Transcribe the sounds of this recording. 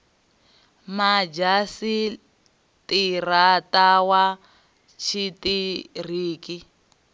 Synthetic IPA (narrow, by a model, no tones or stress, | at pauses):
mad͡ʒasi | tiratawa | t͡ʃʰitir̤iːki